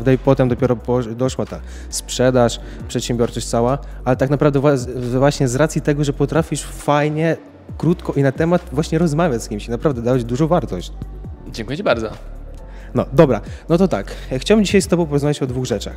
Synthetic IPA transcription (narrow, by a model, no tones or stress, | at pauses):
vd̪ɛipɔt̪ɛmd̪ɔpʲɛɾɔpɔd̪ɔʂwat̪a | spʂɛd̪aʂ | pʂɛt̪ɕɛ̃mbʲjɔɾt͡ʂɔɕt͡ɕʲtsawa | ʔalɛt̪aknapɾavd̪ɛvvwaɕɲɛzɾat̪sʲjit̪ɛɡɔʐɛpɔt̪ɾafʲiʂ | fajɲɛ | kɾut̪kɔʔinat̪ɛmat̪vwaɕɲɛɾɔzmavʲjat͡ɕskʲimɕinapɾavd̪ɛd̪avad͡ʑd̪uʐɔ̃w̃vaɾt̪ɔɕt͡ɕd͡ʑɛ̃ŋkujɛt͡ɕibaɾd̪zɔ̰ | nɔd̪ɔbɾanɔt̪ɔt̪akxt͡ɕawɘmd͡ʑiɕajst̪ɔbɔ̃w̃pɔɾɔzmavʲet͡ɕɔd̪vuɣʐɛt͡ʂa̰x